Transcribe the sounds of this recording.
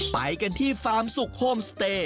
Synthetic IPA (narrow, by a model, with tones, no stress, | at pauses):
pa̰˨˦jka˧nt̪ʰiː˥˩faː˦˥msu˨˩k̚hoː˥˩mst̪eː˧˩